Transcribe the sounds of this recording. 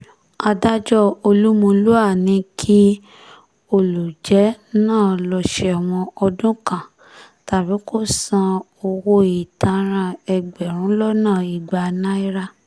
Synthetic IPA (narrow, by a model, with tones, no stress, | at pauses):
a˧da˦d͡ʒɔ˦˨o˧lu˦mũ˧lu˦a˦˨nĩ˧˦kʰi˦ | o˦˨lu˨d͡ʒɛ˨˦nãː˦˨lɔ˧ʃɛ˧a˨w̃ɔ̃˧ɔ˧dũ˦kã˦˨ | ta˨bi˨˦ko˦˨sã˧ | o˧wo˧i˨ta˧ɾ̃ã˧ɛ˧ɡ͡bɛ˨ɾ̃ũ˨˦lɔ˦nãː˦˨i˨ɡ͡ba˧nã˦i˦ɾa˦